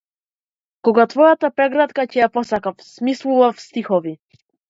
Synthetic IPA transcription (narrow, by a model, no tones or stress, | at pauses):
kɔɡat̪vɔjat̪apɾɛɡɾat̪kacɛjapɔsakafsmislˠuvafst̪ixɔvi